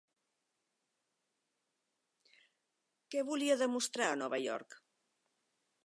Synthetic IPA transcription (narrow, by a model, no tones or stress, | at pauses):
keβuliaðemust̪ɾaanɔβaʎɔ̰ɾk